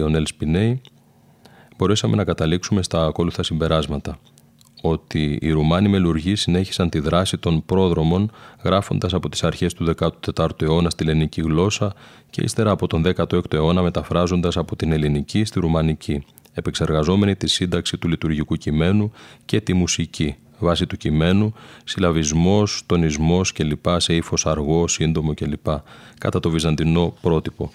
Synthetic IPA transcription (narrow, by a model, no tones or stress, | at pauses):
o̞nelspine̞i | b̥o̞ɾesɐme̞̰nɐkɐt̪ɐliksume̞st̪ɐko̞luθɐsimbe̞ɾɐzmɐt̪ɐ | o̞t̪ḭːɾumɐnime̞luɾʝisine̞çi̥sɐnt̪iðɾɐsit̪o̞npɾo̞ðɾo̞mo̞nɣɾɐfo̞̰nd̪ɐsɐpo̞t̪i̥sɐɾçe̞st̪uðe̞kɐt̪u̥t̪e̞t̪ɐɾt̪ue̞o̞nɐst̪iliniciɣlo̞sɐ | ce̞̰ḭst̪e̞ɾɐːpo̞t̪o̞nðe̞kɐt̪oe̞kt̪oe̞o̞nɐme̞t̪ɐfɾɐzo̞nd̪ɐsɐpo̞t̪ine̞linicist̪iɾumɐnicʰi | e̞pe̞kse̞ɾɣɐzo̞me̞nit̪isind̪ɐksit̪ulit̪uɾʝikucime̞nuce̞t̪imusici | vɐsit̪ucime̞nusilɐvizmo̞st̪o̞nizmo̞sce̞lipɐse̞ifo̞sɐɾɣo̞sind̪o̞mo̞ce̞lipɐkɐ̰t̪ɐt̪ovizɐnd̪ino̞pɾo̞t̪ipo̞